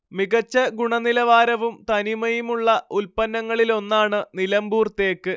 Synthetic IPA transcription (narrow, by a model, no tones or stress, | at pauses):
miɣɐt͡ɕːɐɡuɳɐnilɐʋaːɾɐʋumt̪ɐnimɐjumuɭːɐulpɐnːɐŋːɐɭilo̞nːaːɳɨnilɐmbuːrt̪e̞ːkːɨ